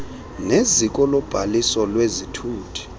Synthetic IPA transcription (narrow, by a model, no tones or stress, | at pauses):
nezik̬ʼɔlɔb̥ʱalisɔlwezitʰuːtʰi̥